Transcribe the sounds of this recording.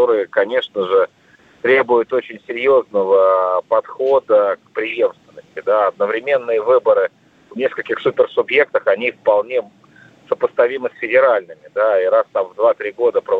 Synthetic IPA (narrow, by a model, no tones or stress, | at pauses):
o̞ɾɨjəkɐnʲe̞ʂnəʐɨ | t̪ɾʲe̞bʊjʊt̪o̞t͡ɕɪnʲsʲɪɾʲjo̞znəvəpɐt̪xo̞d̪əkpɾʲɪje̞mst̪vʲɪnːəsʲtʲɪd̪aɐd̪̚nəvɾʲɪmʲe̞nːɨjəvɨbəɾɨ | vnʲe̞skəlʲkʲɪxsupʲɪrsʊbje̞k̚t̪əxɐnʲifpɐlˠnʲe̞ | səpəst̪ɐvʲiməsʲfʲɪdʲɪɾalʲnɨmʲɪd̪aiɾast̪amvd̪vat̪ɾʲiɡo̞d̪əpɾəv